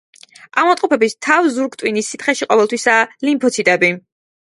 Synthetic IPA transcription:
amɔt̪ʼqʼɔpɛbist̪ʰavzuɾɡt̪ʼwinisːit̪χɛʃiqʼɔvɛlˠt̪ʰwisalimpʰɔt̪sʰit̪ʼɛbi

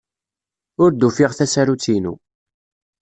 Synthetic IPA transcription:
ʊɾd̪ufiʁθæsæɾut͡sːinṵ

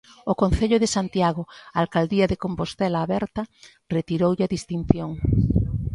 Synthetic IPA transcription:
okõnθeʎoðesant̪jaɣ̞oalkald̪iaðekompost̪ɛlaːβɛɾt̪ɐ | ret̪iɾowʎaðist̪in̟θjoŋ

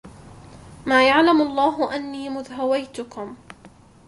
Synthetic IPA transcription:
maːjaʕlamɑlˤːɑːɦʊʔanːiːmʊðɦawajt̪ʊkʊm

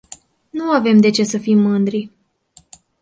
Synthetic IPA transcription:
nuave̞md̪e̞t͡ʃe̞səfimːɨnd̪ɾi

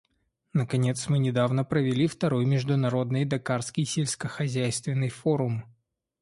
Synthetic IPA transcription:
nəkɐnʲe̞t̪smɨnʲɪd̪avnəpɾəvʲɪlʲift̪ɐɾo̞jmʲɪʐd̪ʊnɐɾo̞d̪nɨjd̪ɐkarskʲɪjsʲelʲsʲkəxɐzʲæjst̪vʲɪnːɨjfoɾʊm

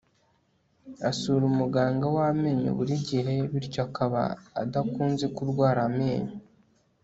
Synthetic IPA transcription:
asuːɾumuɡaːŋɡawame̞ːɲo̰βuɾiɟiɦe̞βiɾcoakaβa̰ːdakuːnze̞kuɾɡwaːɾaame̞ːɲo

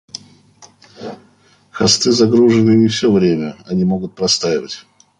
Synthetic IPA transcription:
xɐst̪ɨzɐɡɾuʐɨnɨɪfsʲovɾʲemʲəɐnʲimo̞ɡʊt̪̚pɾɐst̪ajɪvətʲ

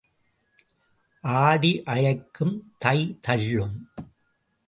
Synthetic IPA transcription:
ʔaːɽiʔɐɻɐɪkːɯmt̪ɐɪt̪ɐɻːɯm

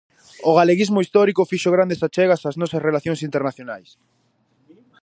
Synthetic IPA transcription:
ʊɣaleɣizmʊist̪ɔɾikʊfiʃoɣɾand̪esat͡ʃɛɣɐsaznɔsɐsrelaθjõŋs̬int̪eɾnaθjonajs

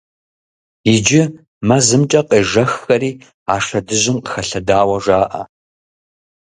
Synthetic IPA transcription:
jɪd͡ʒɪ | mɐzɨmt͡ʃʼɐqʼeːʒɐxːɐɾiː | aːʂɐdɨʑɪmqəxɐɬɐdaːwɐʒaːʔɐ̰

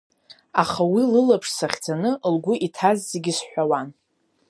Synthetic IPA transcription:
aχawilɨlapʰʂsaχʲd͡zanɨʔlɡʷʊʔitʰazːeɡʲisħʷᶣawan

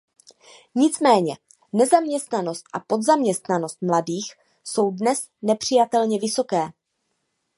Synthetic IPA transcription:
ɲɪt͡smɛːɲɛ | nɛzamɲɛst̪nano̞st̪̚ʔapo̞d̪zamɲɛst̪nano̞st̪̚mladiːx | so̞wdnɛs | nɛpr̝̥ɪjat̪ɛlɲɛvɪsokɛː

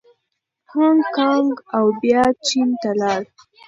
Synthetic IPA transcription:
haŋkɑŋɡawbjɑt͡ʃint̪alɑɽ

